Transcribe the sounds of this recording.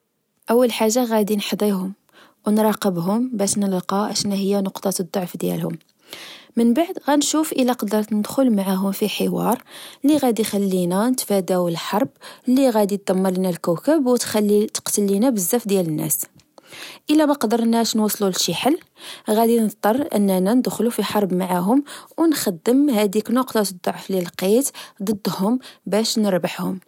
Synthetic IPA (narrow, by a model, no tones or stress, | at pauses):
ʔəwːəlħaʒːaɣæd̪inħd̪ˤiɦʊm | wnɾˤɑqəbɦʊmbæʃnəlqɑʕaʃænːæhəjːænʊqt̪ˤɑd̪ˤːoʕfd̪jæ̰lhʊ̰m | mənbaʕd̪ɣænʃufʔəlːæqɑd̪əɾˤt̪nəd̪xʊlmaʕaɦʊmfiħəwɑ̰ɾˤliɣæd̪ixælːinænət̪fæd̪æwəlħɑɾˤblːiɣæd̪it̪̚d̪æmːəɾlinælkækəbwt̪xælːit̪ə̥qt̪əlːinæbəzːæfd̪jælənːæ̰s | ʔəlːæmæqd̪əɾˤnæʃnwɑsˤlulʃiħəl | ɣæd̪inətt̪ˤːɑrˤːʔə̰nːænænd̪xlufiħɑɾˤbmaʕaɦʊmwnxæd̪ːəmhæd̪iknʊqt̪ɑt̪d̪ˤːoʕflilqit̪d̪ˤəd̪ˤːhʊmbæʃnəɾbəħhʊm